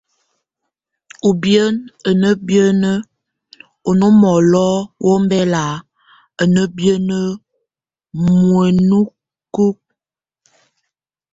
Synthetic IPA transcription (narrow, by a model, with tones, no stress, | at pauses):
u˨bjə˦nə˨nə˦bjə˦nə˦ | o˨no˦mɔ˨lɔ˦wʔo˦m˦bɛ˦la˨ | ə˨nə˦bjə˦nə˦ | mwə˨nu˦ | ku˦k̚